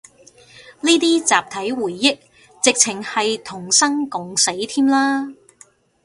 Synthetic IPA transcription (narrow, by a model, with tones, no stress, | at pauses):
niː˥t̪iː˥t͡saː˨p̚t̪ʰɐ˨˥jwuː˨˩jːɪ˥k̚ | t͡sɪ˨k̚t͡sʰɪ˨˩ŋhɐ˨jt̪ʰʊ˨˩ŋsɐ˥ŋkʊ˨ŋse˨˥jt̪ʰiː˥mlaː˥